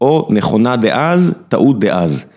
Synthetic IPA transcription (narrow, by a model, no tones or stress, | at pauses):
ʔoneχonad̪eʔazt̪aʔut̪̚d̪eʔaz